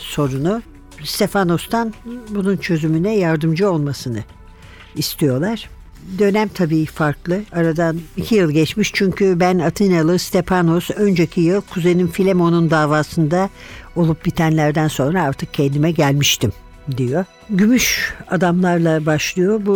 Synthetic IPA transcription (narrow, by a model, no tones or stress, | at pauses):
so̞ɾunu | st̪ʰe̞fano̞st̪ʰanbununt͡ʃʰø̞zymynɛjaɾd̪ɯmd͡ʒɯo̞lˠmasɯnɯ | ist̪ʰijo̞lˠaɾ̥ | d̪ø̞næmt̪ʰabiːfaɾklˠɯaɾad̪anicʰijɯlˠɟɛt͡ʃmiʃt͡ʃʰyɲcʰybænat̪ʰɯnalˠɯst̪ʰefano̞sø̞nd͡ʒecʰijɯlˠkʰuzejninfilʲemo̞nund̪aːvaːsɯnd̪ao̞lˠup̚bit̪ʰænlʲæɾd̪ænso̞nɾaaɾt̪ʰɯk̚cʰɛnd̪imɛɟælʲmiʃt̪ʰim | d̪ijo̞ | ɟymyʃad̪amlˠaɾlˠabaʃlˠɯjo̞bu